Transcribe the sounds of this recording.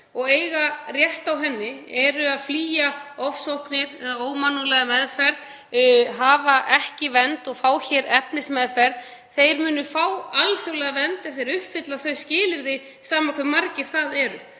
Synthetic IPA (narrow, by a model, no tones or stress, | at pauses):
ɔɣeːjɣarjɛht̪awɦɛnːɪɛɾʏaðfliːjaɔfsowhknɪɾɛːðaoːwmanːulɛɣamɛðfɛɾð | ɦaːvaʔɛhcɪvɛnt̪ɔɣfaːwçɛːɾɛpnɪsmɛðfɛɾð | θejɾmʏːnʏfawalθjowlɛɣavɛnt̪ɛ̥θejɾʏhpfɪt̪laθœɥscɪːlɪɾðɪ | saːmakʰvɛɾmaɾcɪɾ̥θaðɛɾʏ